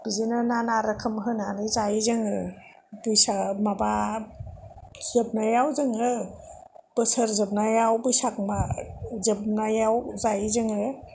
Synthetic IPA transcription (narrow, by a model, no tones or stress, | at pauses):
b̥izinɯnanaɾɯkʰɯmɦɯnanɯjzajizɯŋɯ | bujsamaba | zɯp̚najawzɯŋɯ | b̥ɯsəɾzɯp̚najawbujsak̚mazɯp̚najawzajizɯŋɯ